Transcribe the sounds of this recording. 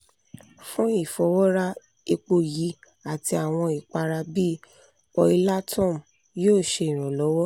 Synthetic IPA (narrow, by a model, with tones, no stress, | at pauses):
fũ˦i˦˨fɔ˨˦wɔ˦ɾa˦ | e˧k͡po˧ji˨˦ | a˨ti˧a˨w̃ɔ̃˧i˨k͡pa˧ɾa˧bi˦˨ | ɔ˧i˧la˦tʰɔ̃˦˨m˨ | joː˦˨ʃe˧i˨ɾ̃ũ˨lɔ˨˦wɔ˦